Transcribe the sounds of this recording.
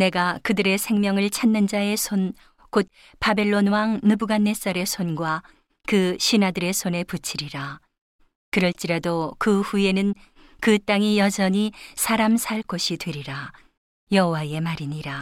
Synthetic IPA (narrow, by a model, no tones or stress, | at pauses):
ne̞ɡakɯdɯɾe̞sʰe̞ŋmjʌŋɯɭt͡ɕʰanːɯnd͡ʑae̞sʰon | kot̚ | pabe̞ɭːonwaŋnɯbuɡanːe̞s͈ʌɾe̞sʰonɡwa | kɯɕʰinadɯɾe̞sʰone̞put͡ɕʰiɾiɾa | kɯɾʌɭt͡ɕ͈iɾadokɯhue̞nɯn | kɯt͈aŋijʌd͡ʑʌɲisʰaɾamsʰaɭk͈oɕʰitwe̞ɾiɾa | jʌɦowae̞maɾiɲiɾa